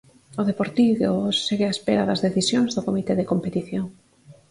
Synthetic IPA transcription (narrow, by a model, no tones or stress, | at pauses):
oðepoɾt̪iɣoseɣeaespeɾɐðɐzðeθisjoŋzðʊkomit̪eðekompet̪iθjoŋ